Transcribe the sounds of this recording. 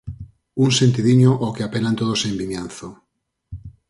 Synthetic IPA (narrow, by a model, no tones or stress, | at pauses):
uŋsent̪iðiɲoʔokeapelant̪oðosembimjanθo